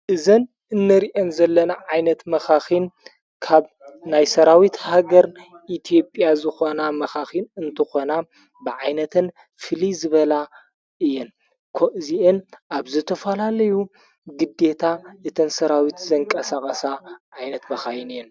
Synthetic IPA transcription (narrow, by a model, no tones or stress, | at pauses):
ʔɨzɐn | ɨnːɐɾiʔonzɐlːɐnaʕajnɐt̪mɐxaxin | kʰaβ | najsɐɾawit̪haɡɐɾ | ʔit̪ʰijo̞pʼjazɨxo̞namɐxaxinɨnt̪ʰɨxo̞na | bɨʕajnɐt̪ʰɨn | fɨlizɨβɐla | ʔɨjːɛn | kʰoʔziʔɨnʔaβzɨt̪ʰɐfɐlalɐju | ɡɨd̪e̞t̪ʰaʔɨt̪ʰɨnsɐɾawit̪zɐŋkʼɐsaxʼɐsaʕajnɐt̪mɐxahinɨjːɛn